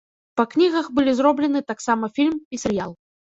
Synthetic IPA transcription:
pɐknʲiɣɐxbɨlʲizrɔblʲɛn̪ɨt̪aksamɐfʲilʲmpʲisʲɐɾja̰lˠ

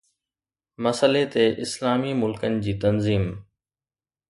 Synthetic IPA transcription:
mɐsəlet̪eʔɪslaːmiːmʊlkənɪ̆d͡ʑiːt̪ɐnziːm

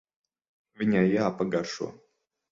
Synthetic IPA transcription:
vʲinʲajaːpaɡaɾʃṵɔ

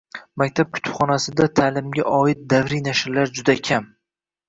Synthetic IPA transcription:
mak̚ʲt̪ʰap̚kʲʰʊ̥t̪ʰʊ̥pχɒnasɪd̪at̪ʰaːlɪmɡʲaʔɒɪt̪̚d̪avɾijnaʃɪɾlaɾd͡ʒʊd̪akʲʰam

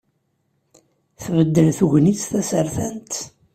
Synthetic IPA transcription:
θvəd̪ːəlθuʝnit͡sθæsəɾθænt̪

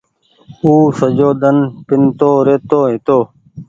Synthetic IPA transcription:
uːsəd͡ʒoːd̪ənpɪnt̪oːɾeːt̪oːɦɪt̪oː

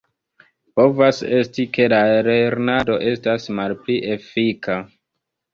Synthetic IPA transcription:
po̞vase̞stike̞laele̞ɾnado̞ʔe̞stasmalpliʔe̞fikʰa

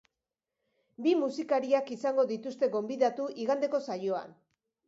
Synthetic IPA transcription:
bimusikaɾiakisaŋɡo̞ðit̪ust̪e̞ɣo̞mbiðat̪uʔiɣand̪eko̞sajo̞a̰n

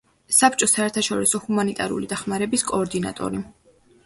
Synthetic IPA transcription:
sap̚ʰt͡ʃʼɔsaɛɾt̪ʰaʃɔɾisɔhumanit̪ʼaɾṵlḭd̪aχmaɾɛbiskʼɔːɾd̪ina̰t̪ʼɔ̰ɾi

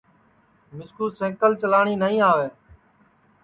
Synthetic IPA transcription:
mɪskuːsẽːkəlt͡ʃəlaːɳ̃iːnəɦĩːaːʋeː

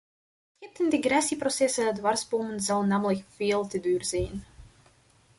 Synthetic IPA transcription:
txɪp̚təndeɡrɛsiprosɛsəədʋɑrsboːmənzɑlˠnaːmələkfeːlˠtədyːrz̥ɛjn

